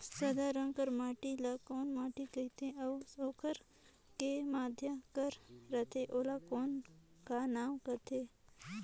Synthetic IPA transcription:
sɐd̪aɾə̃ŋkəɾmaːʈilakoːnmaːʈikət̪ʰẽɐsoːkʰəɾ | kemaːd̪ʱjəkəɾːɐt̪ʰeʔoːlakoːn | kanaːmkɐt̪ʰeː

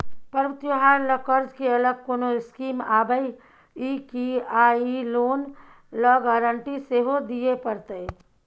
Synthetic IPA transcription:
pəɾʋət̪joɦaːɾlɔkəɾd͡ʒkeɐləɡ̚koːnoɪskiːmaːbəi | ikiaːiloːn | lɔːɡaːɾəɳʈiseːɦod̪iepəɾt̪əe

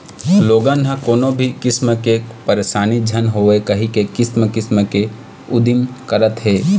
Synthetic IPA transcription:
loːɡanɦə̃koːnõbʱikɪsməkepɐɾeːʃaːnid͡ʒʱɐnɦoːekɐɦĩkekɪsməkɪsməke | ʊd̪imkəɾət̪ɦɛː

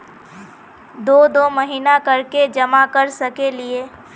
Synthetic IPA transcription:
d̪oːd̪oməɦiːnakəɾked͡ʒəmakəɾsəkelie

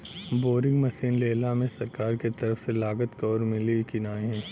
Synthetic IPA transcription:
boːɾɪ̃ŋɡmɐsiːnleːlamẽsɐɾkaːɾket̪ɐɾəfselaːɡət̪kɔːɾmɪlikinaːɦɛ̃ː

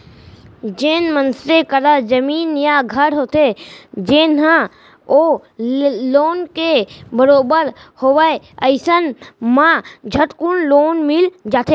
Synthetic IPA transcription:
d͡ʒeːnmənsɾekəɾad͡ʒəmiːnjaɡʱəɽɦoːt̪ed͡ʒeːnɦã | o | loːnkebəɾoːbəɾhoːʋəe | əɪsənmãd͡ʒʱəʈkʊnloːnmɪld͡ʒaːt̪e

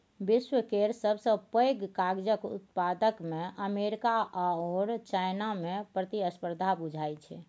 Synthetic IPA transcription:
biswəkeɾsəbsə̃pəjɡkaɡd͡ʒəkṵt̪̚pad̪əkmeʔəmeɾikaʔaɔɾt͡ʃajnamepɾət̪iəspəɾd̪ʱabud͡ʒʱajt͡ʃʰɛ̰

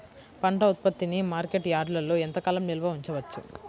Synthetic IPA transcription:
pɐɳʈɐut̪̚pɐt̪ːinimaːɾke̞ʈjaːɖlɐlːoːent̪ɐkaːlɐmnilɐʋɐuɲt͡ʃɐʋɐt͡ʃːṵ

